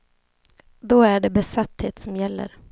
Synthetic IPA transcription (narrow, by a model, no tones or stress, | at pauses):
d̪ɔæɖɛbɛsat̪ːheːt̪sɔmjɛlːə̰ɾ